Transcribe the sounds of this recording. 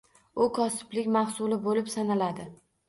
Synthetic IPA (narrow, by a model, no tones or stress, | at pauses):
ʊkʰɒsɪ̥blɪkʲmaχsʊlɪbolɪpsanalad̪ɪ